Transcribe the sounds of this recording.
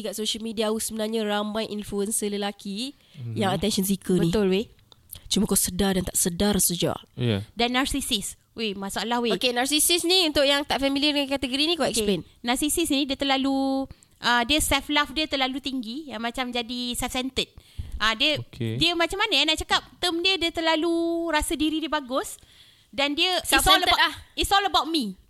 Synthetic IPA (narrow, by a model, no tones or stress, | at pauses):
ikaʔsoʃəlmidiausəbənarɲəramajʔinfluənsələlaki | jaŋət̪ɛnʃəns̬ikəbənit̪ʊlwe | t͡ʃuməkawsədadant̪aʔsədarsəd͡ʒa̰danːarsisis | wemasuʔalahweokenarsisisniunt̪ʊʔjaŋt̪aʔfamiliədəŋakat̪əɡoɾinĩkawɛkssplen | nasisisnĩdiət̪əlalu | ʔədiəsɛflafdiət̪ərlalut̪iŋɡijaŋmat͡ʃamd͡ʒadisɛfsɛnt̪ət̪̚ʔadiəkdiəmat͡ʃamːanaanaʔt͡ʃakap̚t̪əmdiədiət̪əlaluɾasədiɾidiəbaɡʊs | dandiəs | isɔləbawt̚mi